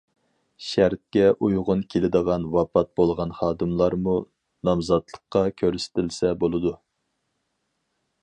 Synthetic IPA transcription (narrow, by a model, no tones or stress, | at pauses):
ʃæɾt̪̚kʲɛʔujʁʊnkʲʰelɪd̪əʁɑnwɑpʰɑt̪̚bolˠʁɑnχɑːd̪ɨmlˠɑɾmu | nɑmzɑt̪lˠə̥qːɑkʲʰøɾsɪ̥t̪ʰɪlsɛbolˠɨd̪u